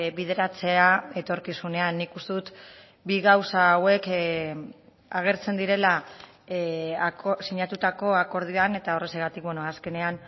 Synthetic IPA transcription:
βið̞eɾat͡se̞ae̞t̪o̞ɾkisune̞anːikust̪e̞ðut̪ | biɣawsaːwe̞k | aɣ̞e̞ɾt͡se̞nd̪iɾe̞la | osiɲat̪ut̪ako̞ako̞ɾð̞ioane̞t̪ao̞re̞seɣat̪ik̚benoaske̞ne̞an

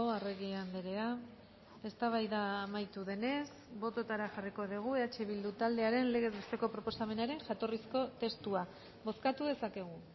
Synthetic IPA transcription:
oareɣiand̪eɾe̞a | e̞st̪aβ̞ajðaːmajt̪uðe̞ne̞s | bo̞t̪o̞t̪aɾaxariko̞ðiɣ̞ue̞at͡ʃe̞βild̪ut̪ald̪e̞aɾe̞nle̞ɣ̞e̞zβest̪e̞ko̞pɾo̞po̞same̞naɾe̞ŋʝat̪o̞risko̞t̪e̞st̪ua | bo̞skat̪uð̞e̞sake̞ɣ̞u

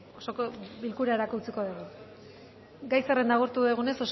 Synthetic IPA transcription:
osokobilkuɾae̞ɾakut͡siko̞ðeɣu | ɡajserend̪aɣ̞uɾt̪uðeɣ̞une̞so̞s

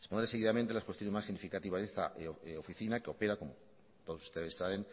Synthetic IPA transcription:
esponɾseɣiðamẽnt̪elaskwest̪jone̞masiɣnifikat̪iβazðe̞st̪a̰ʔofiθinakeo̞peɾako̞mo | t̪oðsu̥st̪e̞ðe̞saβen

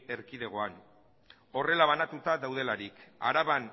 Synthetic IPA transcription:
e̞ɾkiðe̞ɣ̞o̞an | o̞re̞laβanat̪ut̪aðawð̞e̞laɾika̰ɾaβan

